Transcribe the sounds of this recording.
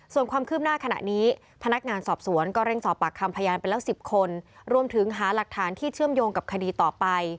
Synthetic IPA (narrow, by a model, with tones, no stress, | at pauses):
su˨˩ənkʰwaː˧mkʰɯː˥˩p̚naː˥˩kʰa˧na̰˨˩ʔniː˦˥ | pʰa˧na˦˥k̚ŋaː˧nsɔː˨˩p̚su˨˩˦ənkɔː˥˩ɾe˥˩ŋsɔː˨˩pːa˨˩kʰːa˧mpʰa˧jaː˧npa˧jlɛː˦˥wsi˨˩p̚kʰo˧nɾu˧əmt̪ʰɯ˩˦ŋɦaː˩˦la˨˩k̚t̪ʰaː˩˦nt̪ʰiː˥˩t͡ɕʰɯ˥˩əmjoː˧ŋka˨˩p̚kʰa˧diː˧t̪ɔː˨˩pa˧j